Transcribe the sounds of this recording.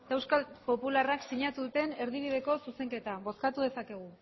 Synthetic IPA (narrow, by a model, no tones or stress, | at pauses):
d̪ewskapo̞pularaksiɲat̪uðut̪e̞ne̞ɾðiβ̞ið̞e̞ko̞suse̞ŋke̞t̪aβo̞skat̪uðe̞sake̞ɣ̞u